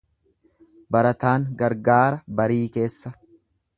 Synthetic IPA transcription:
bɐɾɐt̪aːŋɡɐɾɡaːɾɐbɐɾiːke̞ːsːɐ

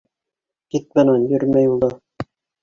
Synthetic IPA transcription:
t̪it̪̚bɤ̆nɑnjɵɾmæjulˠd̪ɑ

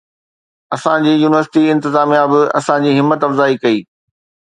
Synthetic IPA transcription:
ɐsãd͡ʑiːjuːnɪʋəɾsɪ̥ʈiɪ̃nt̪ɪzaːmijabɪɐ̰sãd͡ʑiːɦɪmːət̪ɐfzaːikɐiː

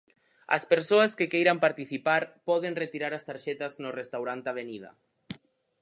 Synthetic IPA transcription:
ɐ̰speɾsoɐskekejɾampaɾt̪iθipaɾpɔðeŋret̪iɾaɾɐst̪aɾʃɛt̪ɐznorest̪awɾant̪aβ̞eniðɐ̰

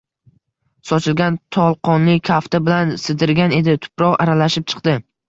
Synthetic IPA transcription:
sɒt͡ʃʰɪlɡʲant̪ʰɒlˠqɒnlɪkʲʰaft̪abɪlansɪd̪ɪɾɡʲane̞d̪ɪt̪ʰʊ̥pɾɒʁa̰ɾalaʃɪp̚t͡ʃʰɨ̥qd̪ɪ

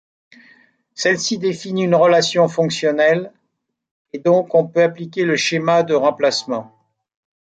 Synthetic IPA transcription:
sɛlsid̪efiniynʁəlasjɔ̃fɔ̃ksjɔnɛl | ed̪ɔ̃kɔ̃pøaplikʲeləʃemad̪əʁɑ̃plasmɑ̃

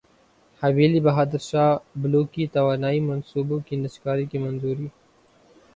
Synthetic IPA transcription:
hɐwiːlibɐɦaːd̪əɾʃaːbloːkit̪ɐwaːnaːimɐnsuːbokinɐskaːɾikimɐnzuːɾiː

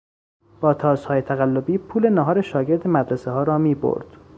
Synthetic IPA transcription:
b̥ɒːt̪ʰɒːzhɒːjet̪ʰæɣælːo̞biːpʰuːle̞næɦɒːɾeʃɒːɟe̞ɾd̪emæd̪ɾeseɦɒːɾɒːmiːbo̰ɾd̪̥

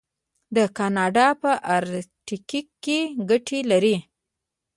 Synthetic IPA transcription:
d̪əkɑnɑɖɑpəʔaɾʈikikːeɡaʈʰelaɾi

